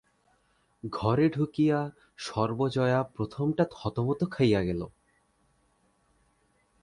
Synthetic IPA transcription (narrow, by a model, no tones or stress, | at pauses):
ɡʱɔɾeɖʱukija | ʃɔɾbod͡ʑɔeapɾot̪ʰomʈat̪ʰɔt̪omot̪okʰajaɡɛlo̰